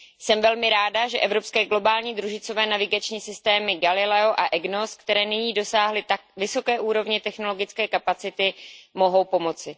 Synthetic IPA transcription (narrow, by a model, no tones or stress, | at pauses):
sɛmvɛlmɪɾaːdaʒɛʔɛvɾo̞pskɛːɡlo̞baːlɲiːd̪ɾuʒɪt͡so̞vɛːnavɪɡat͡ʃɲiːsɪst̪ɛːmɪɡalɪlɛoʔaʔɛɡnoskt̪ɛɾɛːnɪɲiːdo̞saːɦlɪt̪ak̚vɪso̞kɛːʔuːɾo̞vɲɛt̪ɛxno̞lo̞ɡɪt͡skɛːkapat͡sɪt̪ɪmo̞ɦo̞wpo̞mo̞t͡sɪ